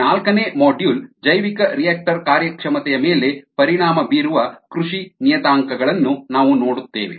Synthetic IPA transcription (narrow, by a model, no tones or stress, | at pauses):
aːlkɐneːmoːɖjuːld͡ʒɐjʋikɐɾijaːk̚ʈɐɾkaːɾjɐkʂɐmɐt̪ɛjɐmeːle̞pɐɾiɳaːmɐbiːɾuʋɐkɾuʂinijɐt̪aːŋkɐɡɐɭɐnːunaːʋuno̞ːɽut̪ːḛːʋḛ